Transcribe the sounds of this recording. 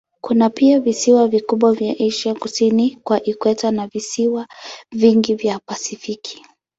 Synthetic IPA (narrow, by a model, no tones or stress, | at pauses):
kunapiavisiwavikuɓwavjaʔiʃakusinikwaʔikwɛtanavisiwaviŋɡivjapasifikʰi̥